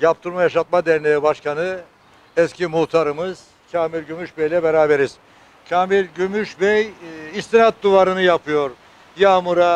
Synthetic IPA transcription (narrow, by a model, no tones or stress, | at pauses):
jap̚t̪ʰɯɾmajaʃat̪̚mad̪ɛɾnejɛbaʃkʰanɯ | ɛscimuht̪ʰaɾɯmɯz̥ | cʰaːmiɾʲɟymyʃbejlʲɛbeɾaːbe̞ɾiz̥ | cʰaːmiɾʲɟymyʃbejist̪inat̪̚d̪uvaɾɯnɯjapʰɯjo̞ɾ | jaːmuɾa